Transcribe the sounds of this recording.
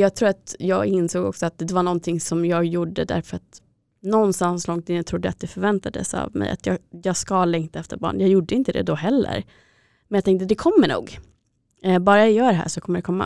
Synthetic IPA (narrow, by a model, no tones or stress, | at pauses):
jɑːɡ̚t̪ʰɾuːɾat̪jɑːɡɪnsoːɡɔ̰ksɔat̪̚d̪ɛvaɳɔnt̪ʰɪŋsɔmjɑːɡjuɖəd̪æ̰ɾfœɾat̪ | nɔnːst̪anslɔŋt̪ɪnːət̪ʰɾʊd̪ːəat̪̚d̪ɛfœɾvɛnt̪ad̪ə̰sa̰vmɛ̰ja̰t̪ʰjɑːjɑːɡskalɛŋkt̪aɛft̪əɾbɑ̰ːɳjɑɡjuɖːəɪnt̪əd̪ɛ̰d̪ɔɦɛlːə̰ɾ | mɛnjat̪ɛŋkt̪̬əd̪ɛkʰɔmːəɳṵːɡ | bɑːɾaajœːɖɛɦæ̰ːʂɔkʰɔmːəɖɛkʰɔmːa̰